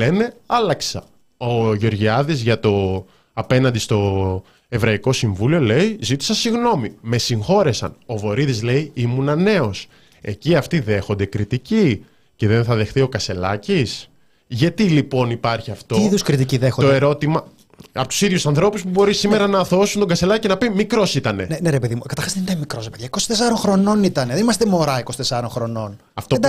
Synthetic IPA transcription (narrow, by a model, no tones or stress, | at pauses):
ene̞ɐlɐksɐ | o̞ʝo̞ɾʝiɐðizʝɐt̪o̞ | ɐpenɐnd̪ist̪o̞ | e̞vɾɐiko̞siɱvulio̞le̞izit̪i̥sɐsiɣno̞mime̞siŋxo̞ɾe̞sɐ̰no̞vo̞ɾiðizle̞iimunɐne̞o̞s | e̞ciɐft̪iðe̞xo̞nd̪e̞kɾit̪ici | ce̞ðe̞nθɐðe̞xθio̞kɐse̞lɐcis | ʝɐt̪ilipo̞nipɐɾçiɐft̪oðuskɾit̪iciðexot̪oeɾo̞t̪imɐ | ɐpot̪u̥siðʝusɐnθɾo̞puspubo̞ɾisime̞ɾɐnɐːθo̞sunt̪oɡɐst̪e̞lɐcinɐpimikɾo̞sit̪ɐne̞neneɾepe̞ðimukɐt̪ɐɾxɐsðenit̪ɐnmikɾosɾepeðʝɐiko̞si̥t̪es̬ɐɾonxɾo̞no̞nit̪ɐneðenimɐst̪emo̞ɾɐiko̞si̥t̪esɐɾonxɾo̞no̞n | ɐft̪o